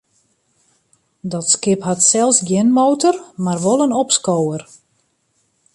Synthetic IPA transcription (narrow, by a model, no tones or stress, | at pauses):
dɔtskɪpɦatsɛlˠsɡjɪnmowtərmarʋolˠənɔpskowər